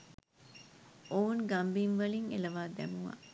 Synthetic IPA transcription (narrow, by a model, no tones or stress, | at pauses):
ounɡambiŋʋɐliŋelɐʋaːd̪æ̰muʋa̰